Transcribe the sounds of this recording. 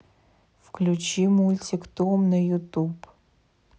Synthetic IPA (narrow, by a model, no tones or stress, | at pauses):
fkʰlʲut͡ʃimulʲtʰikt̪umnɐjutʰub